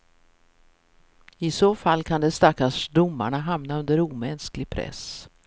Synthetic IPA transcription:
ɪsoːfalːkʰand̪ɛst̪akːaʂd̪ʊmːa̰ɳaɦamnaɵnd̪əɾuːmɛnsklɪɡ̚pʰɾɛ̰s

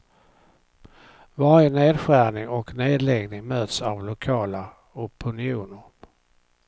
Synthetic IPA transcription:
vɑːɾjəneːd̪ɧæːnɪŋɔkneːd̪lɛɡnɪŋmøːt̪savlʊkʰɑːla | ɔpʰɵnɪuːnəɾ

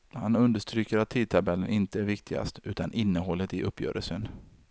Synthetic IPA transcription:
hanɵnd̪əʂt̪ɾyːkəɾat̪ʰːiːd̪̚t̪ʰabɛlːənɪnt̪əæɾvɪk̚t̪ʰɪɡa̰st̪ʉ̟ːt̪anʔɪnːəɦɔlːət̪ɪʔɵpːjœ̰ːɾʔəlsən

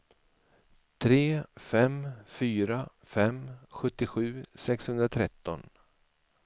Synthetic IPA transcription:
t̪ʰɾeːfɛmfyːɾa | fɛmɧɵt̪ːɪɧʉ̟ːsɛkshɵnd̪ɾat̪ʰɾɛt̪ːɔn

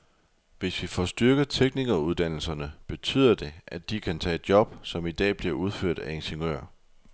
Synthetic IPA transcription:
ʋe̝sʋifɒsd̥yɐɡ̥ət͡sʰeɡ̥niɡ̥ɐuð̞ˠd̥æn̰l̩sɐnəb̥e̝t͡sʰy̰ːð̰ˠɐd̥e̝ʔæd̥ikʰænt͡sʰɛ̰ːed̥jɒ̽b̥sɒ̽mid̥ɛ̰ːb̥liɐuð̞ˠføɐ̰d̥æe̝nɕeŋø̰ɐ̰

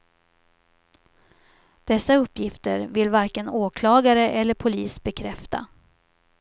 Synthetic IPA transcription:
d̪̥ɛsːaɵpːjɪft̪ə̰ɾvɪlvaɾkənoːkʰlɑːɡaɾəʔɛlːəɾpʰʊliːsbɛkʰɾɛft̪a̰

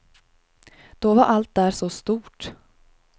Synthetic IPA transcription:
d̪̥ɔvaɾʔalt̪̚d̪æːʂɔst̪uːʈ

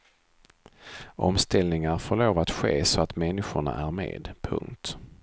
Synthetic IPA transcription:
ʔɔ̰mst̪ɛlnɪŋaɾfɔɭoːvat̪ɧeːsɔat̪mɛnːɪɧʊɳa̰ʔæɾmḛːd̪pʰɵ̰ŋt̪

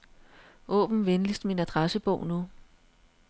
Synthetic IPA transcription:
ʔɔ̰̽ːb̥n̩ʋenlisd̥minæd̥ʁɑsəb̥ɔ̰ʊ̰nu

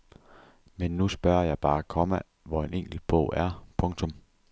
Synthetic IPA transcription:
menːusb̥ɶɐjɑ̈ɪb̥ɑ̈ːkʰɒ̽mə | ʋɒe̝neŋ̰ɡ̥l̩̥b̥ɔ̰ʊ̰æɐpʰɔ̽ŋt͡sʰɔ̽m

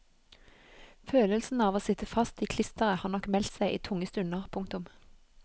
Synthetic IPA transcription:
føːləlsn̩ɑːʋoːsɪt̪əfɑst̪iːkʰlɪst̪əʁəhɑːʁnɔkmɛlt̪sæɪʔḭːt̪ʰʊŋəst̪ʉnəʁpʰʊŋk̚t̪ʊm

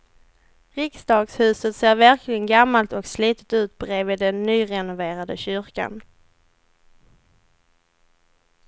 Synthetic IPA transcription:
ɾɪksd̪ɑːɡshʉ̟ːsət̪seːɾvæɾkʰlɪɡənɡamːalt̪ɔksliːt̪ə̥t̪ʉ̟ːt̪̚bɾevɪːd̪ɛnːyːɾɛnʊveːɾad̪əɕʏɾka̰n

